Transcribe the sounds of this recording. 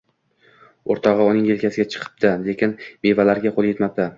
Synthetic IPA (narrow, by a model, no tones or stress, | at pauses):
oɾt̪ʰɒʁɨʊnɪŋje̞lkʲasɪɡʲat͡ʃʰɨ̥qʰɨ̥p̚d̪ale̞kʲʰɪnme̞valaɾɡʲaqʰolˠje̞t̪map̚d̪ʰa